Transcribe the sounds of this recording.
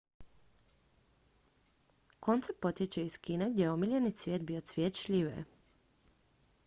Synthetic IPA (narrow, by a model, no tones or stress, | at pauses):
ko̞nt̪sepo̞t̪ʲjet͡ɕeiskiːneɡd̪ʲjeeomiʎʲenit̪sʋʲjeːt̪̚biot̪sʋjet̪t͡ʃʎʲiʋḛ